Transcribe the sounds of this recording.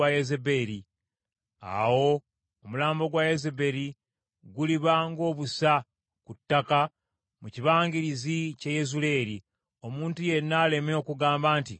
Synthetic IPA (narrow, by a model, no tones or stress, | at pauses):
ajezebe̞ɾi | a̰wo̞ː | mulaːmbo̞ɡwajezebe̞ɾi | ɡuliβaŋɡo̞ːβusa | kutːaka | muciβaːŋɡiɾiziceje̞zule̞ːɾi | o̞muːntuje̞nːaːle̞meokuɡaːmbaːnti